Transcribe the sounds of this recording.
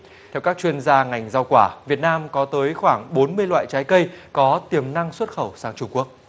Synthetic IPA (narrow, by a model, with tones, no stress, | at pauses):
t̪ʰɛ˧wkaː˦˥k̚t͡ɕwi˧ənzaː˧ŋa˨˩jŋ̟za˧wkwaː˧˩vi˨˩ət̚naː˧mkɔ˨˦t̪əː˨˦jxwaː˧˩ŋɓo˨˦nmɨ˧əjlwa̰ː˧˨jt͡ɕaː˨˦jkə˧jkɔ˨˦t̪i˨˩əmna˧ŋswə˦˥t̚xə˧˩wsaː˨˦ŋt͡ɕʊ˧ŋ͡mku˦˥ək̚